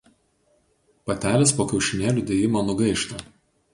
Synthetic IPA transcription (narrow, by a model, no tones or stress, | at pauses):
pɐt̪ʲæːlʲeːspoːkʲɛʊʃʲɪnʲeːlʲuːˑd̪ʲeːjɪmoːnʊɡɐɪʃt̪o